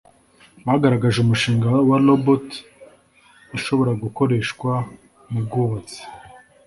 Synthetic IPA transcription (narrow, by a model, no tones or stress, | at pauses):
βahaɡaɾaɡaʒeumuʃiːŋɡawalobot | iʃo̞βo̞ɾaɡuko̞ɾe̞ːʃkwa | mub̚ɡuβat͡se̥